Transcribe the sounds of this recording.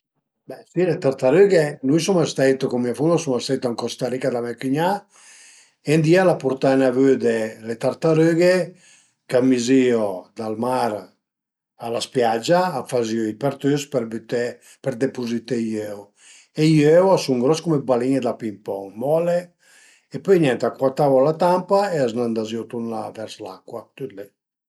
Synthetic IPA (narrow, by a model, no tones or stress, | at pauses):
bɛsilet̪aɾt̪aɾyɡenujsumast̪ɛjt̪okomːiafunosumast̪ɛjt̪aŋkɔst̪aɾikad̪amɛkyɲa | end̪ialapuɾt̪anavød̪elet̪aɾt̪aɾøɡe | kamiziod̪almaɾ | alaspjad͡ʒaːfaziɔipeɾt̪øspbt̪e | pɛɾd̪epuzit̪ejøw | ejøwasuŋɡɾɔskumebaliɲed̪apimpɔŋmɔle | epøjɲɛnt̪akwat̪avɔlat̪ampaeaznand̪aziɔt̪unla̰vɛɾsla̰kːwat̪yt̪lɛ